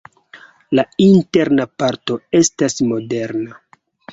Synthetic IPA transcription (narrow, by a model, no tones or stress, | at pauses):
lainte̞ɾnapaɾto̞e̞stasmo̞de̞ɾna